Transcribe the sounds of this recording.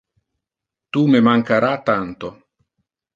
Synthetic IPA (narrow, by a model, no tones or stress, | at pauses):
t̪umemaŋkaɾat̪ant̪o